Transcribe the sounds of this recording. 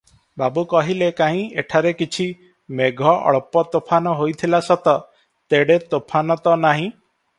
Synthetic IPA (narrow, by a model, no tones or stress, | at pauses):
babukɔɦilekaɦĩeʈʰaɾekit͡ʃʰi | meɡʱɔʔɔ̰ɭpɔt̪opʰanɔɦojt̪ʰilasɔt̪ɔ | t̪eɽet̪opʰanɔt̪ɔnaɦĩ